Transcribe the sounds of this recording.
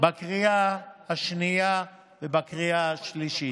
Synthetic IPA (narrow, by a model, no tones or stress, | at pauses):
bakʁiahaʃnia | vebakʁiaaʃliʃi